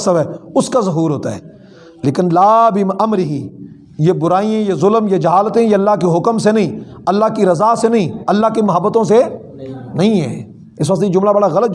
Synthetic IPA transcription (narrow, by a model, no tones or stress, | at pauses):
səʋɛːʊskazɐɦuːɾɦoːt̪aɦɛ̰ː | leːkɪnlaːbɪmʔɐmɾɪɦi | jebʊɾaːiẽjezʊləmjad͡ʒɐɦaːlət̪ẽjaɐlːakeɦʊkəmsenɐɦĩːɐlːakiɾɐzaːsenɐɦĩɐlːaɦkimɐɦəbːət̪õs̬e | nɐɦĩɦɛ̰ː | ɪs̬ʋɐk̚t̪ejed͡ʒʊmlabɐɽaɣɐlət̪̚